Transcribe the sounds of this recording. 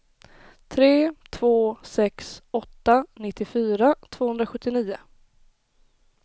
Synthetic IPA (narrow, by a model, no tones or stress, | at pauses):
t̪ʰɾeːt̪ʰvoːsɛksɔt̪ːanɪt̪ːɪfyːɾat̪ʰvoːhɵnd̪ɾaɧɵt̪ːɪniːʊ